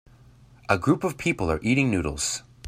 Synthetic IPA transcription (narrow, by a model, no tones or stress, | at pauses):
ʔəɡɹupʌv̥pʰipl̩ˠə˞ʔiɾɪ̃ŋnʉɾl̩ˠz̥